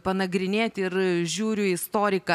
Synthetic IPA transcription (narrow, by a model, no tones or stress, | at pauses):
pɐnɐɡɾʲɪnʲeːt̪ʲɪɾʒʲuːɾʲʊɪst̪oːɾʲɪkɐ